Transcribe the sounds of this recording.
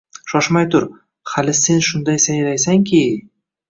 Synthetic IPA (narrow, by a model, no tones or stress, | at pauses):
ʃɒʃmajt̪ʰʊɾ | halɪse̞nʃʊnd̪ajsajɾajsaŋkʲʰi